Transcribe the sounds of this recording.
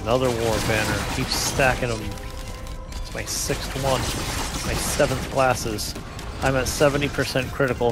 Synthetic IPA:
nʌðə˞wɔɹbænə˞kʰiv̥sstækɨ̃nə̃m | tsmaɪsɪkstwʌ̃nmaɪsɛṽnθkʰl̥æsɪz̥ | ʔãɪ̃mɨtsɛṽntipʰə˞sɛ̃nkʰɹ̥ɪɾɨkl̩ˠ

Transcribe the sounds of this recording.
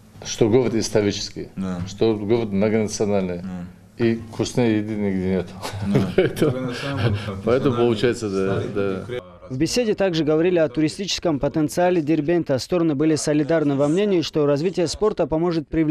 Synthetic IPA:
ʂt̪oɡovət̪ɪst̪ɐɾʲit͡ʃɪ̥skʲɪ̰jʂt̪oɡovət̪̚nɐɡənɐt̪sɨɐnalʲnɨj | ikʰʊsnɨjjɪd̪ɪnʲɪɡd̪ʲenʲet̪ʊ̥pɐɛt̪əmʊ | pɐɛt̪əmʊpəlˠʊt͡ʃajɪt̪səd̪ad̪a | vbʲɪsʲedʲɪt̪aɡʐɨɡəvɐɾʲilʲɪɐt̪ʊɾʲɪsʲtʲit͡ɕɪ̥skəmpət̪ənt̪sɨalʲɪdʲɪrbʲent̪əst̪o̞ɾənɨbɨlʲɪsəlʲɪd̪arnɨvɐmnʲenʲɪjʊʂt̪o̞ɾɐzvʲitʲɪjəspo̞rt̪əpɐmo̞ʐɨt̪̚pɾʲɪvlʲ

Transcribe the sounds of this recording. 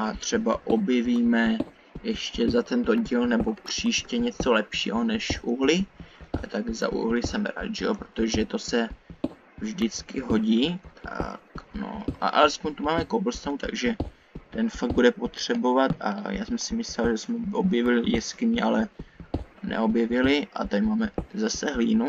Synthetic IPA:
ʔat̪r̝̥ɛbaʔobjɛviːmɛ | jɛʃcɛzat̪ɛnt̪o̞ɟiːlnɛbo̞pr̝̥iːʃcɛɲɛt͡so̞lɛpʃḭːɦonɛʃʔuɦlɪʔalɛt̪aɡza̰ʔṵɦlɪsɛmɾa̰ːd̪ʒɛopɾot̪oʒɛt̪o̞sɛ | vʒdɪt͡skɪɦo̞ɟiːt̪ʰa̰kno̰ʔa̰ʔalɛspoɲt̪umaːmɛkobl̩st̪awut̪a̰ɡʒɛ | t̪ɛnfaɡ̚budɛpo̞t̪r̝̥ɛbo̞vat̪a̰ja̰ːsɛmsɪmɪslɛlʒɛsmɛʔobjɛvɪlɪjɛskɪɲɛʔalɛ | nɛ̰o̞bjɛvɪlɪʔa̰t̪amaːmɛzasɛɦliːnu

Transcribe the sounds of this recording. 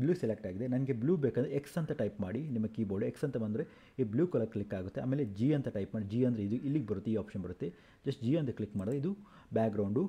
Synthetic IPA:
bluːselek̚ʈaːɡid̪enɐnɡebljuːbeːkɐnd̪ɾeeksɐnt̪ɐʈɐjpmaːɽinimɐkiːboːɭɖueksɐnt̪ɐbɐnd̪ɾe | ibluːkɐlɐklikːaːɡut̪ːea̰ːmeːled͡ʒiːɐnt̪ɐʈɐjpmaːɽid͡ʒiːɐnd̪ɾe̞id̪uʔilːiɡebɐɾut̪ːiːaːpʃɐnbɐɾut̪ːe | d͡ʒɐsʈd͡ʒiːɐnt̪ɐklikːmaːɽeid̪u | baːkɡɾɐwɳɖu

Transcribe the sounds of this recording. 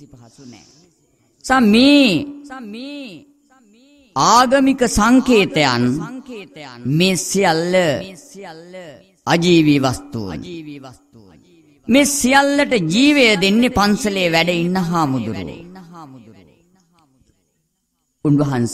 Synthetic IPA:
sameː | aːɡɐmikəsaŋkeːt̪ejanː | meːsijalːə | ad͡ʒiːʋiʋast̪ṵṵn | meːsijalːəʈəd͡ʒiːʋejəd̪enːepansəlejʋæɖəinːaɦaːmud̪uɾṵ | unʋɐɦans

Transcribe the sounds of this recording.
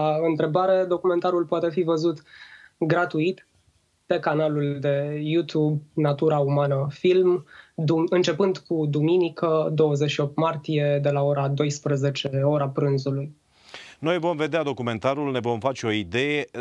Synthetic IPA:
aɨnt̪ɾe̞baɾe̞d̪o̞kume̞nt̪aɾulpoat̪e̞fivəzut̪ɡɾat̪uit̪ | pe̞kanaluld̪e̞jut̪jubnat̪uɾaumanəfilmd̪uɨnt͡ʃe̞pɨnd̪kud̪uminikʰəd̪o̞wəzeʃio̞p̚t̪mart̪ije̞d̪e̞lao̞ɾad̪o̞jspɾəze̞t͡ʃe̞o̞ɾapɾɨnzuluj | no̞jvo̞mve̞d̪ead̪o̞kume̞nt̪aɾulne̞vo̞mfat͡ʃeo̞id̪e̞je

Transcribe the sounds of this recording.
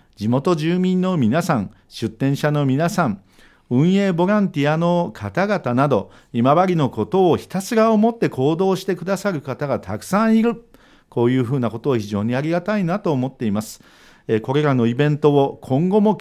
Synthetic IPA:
d͡ʑimo̞t̪o̞ʑɨːmʲĩnːo̞mʲinasãŋ | ɕɨt̪ːẽɰ̃ɕano̞mʲinasãŋ | ɯ̟̃ɰ̃e̞ːbo̞ɾãnt̪ʲiano̞kʰat̪aɡat̪anad̪o̞̰ | imaβaɾʲino̞ko̞t̪o̞ːçi̥t̪asɨɾaomo̞t̪ːe̞kʰo̞ːd̪o̞ːɕi̥t̪e̞kɯ̟d̪asaɾɯ̟kat̪aɡat̪ʰakɯ̟̥sãɰ̃iɾɯ̟ | ko̞ːjɯ̟ːɸɯ̟ːnako̞t̪o̞ːçiʑo̞ːɲ̟iaɾʲiɡat̪ainat̪o̞ːmo̞t̪ːe̞imasɨ̥ | eko̞ɾe̞ɾano̞ibẽ̞nt̪ookʰõ̞ŋɡo̞mo̞

